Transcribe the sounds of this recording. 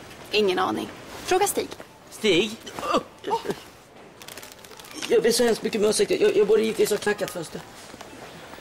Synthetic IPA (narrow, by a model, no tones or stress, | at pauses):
ɪŋːənɑ̰ːnɪ̰ŋfɾoːɡast̪iːɡ | st̪iːɡ | jɑːɡblɪʂɔhɛmst̪mʏkːəmɛoːsɪk̚t̪əjɑjɑːɡbuːd̪əjɪft̪vɪsɔkʰnakːat̪fœnst̪ə